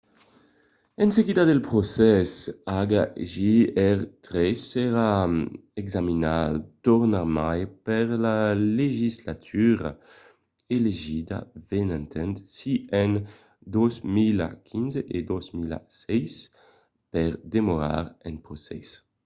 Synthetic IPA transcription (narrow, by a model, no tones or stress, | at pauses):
ɛnseɡid̪ad̪elpʁosɛsaɡaʒiɛʁt̪ʁɛsɛʁaɛɡzaminat̪ɔʁnamajpɛʁlaleʒislat̪ʰyʁa̰ | eleʒid̪a̰vɛnɛ̃nt̪ʰɛnt̪siɛn | d̪ozmila̰kʰinzeʔed̪ozmila̰sɛjs | pɛʁd̪emoʁa̰ʁɛ̃npʁosɛ̰s